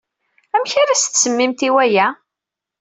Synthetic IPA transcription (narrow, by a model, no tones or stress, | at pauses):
æmçaɾæst̪səmːimt̪iwæjæ